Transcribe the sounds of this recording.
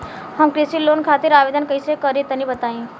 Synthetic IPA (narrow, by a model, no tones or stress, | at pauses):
həmkɾisiloːnkʰaːt̪iɾaʋeːd̪ənkəisekəɾit̪ənĩbət̪aĩ